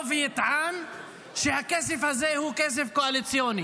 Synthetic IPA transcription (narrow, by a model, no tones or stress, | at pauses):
vjit̪ʕan | ʃehakesefhazehukes̬efkoalit͡sjoni